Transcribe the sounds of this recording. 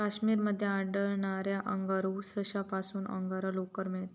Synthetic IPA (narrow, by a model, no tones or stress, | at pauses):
kaɕmiːɾməd̪ʱːjeaɽəɭɳaɾjaʔəŋɡaɾusəɕapasuːnə̰ŋɡaɾəlokəɾmeɭt̪